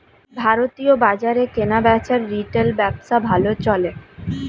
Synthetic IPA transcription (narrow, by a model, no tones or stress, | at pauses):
bʱaɾot̪iobad͡ʑaɾekenabɛt͡ɕaɾːiʈelbɛbʃabʱalot͡ɕɔle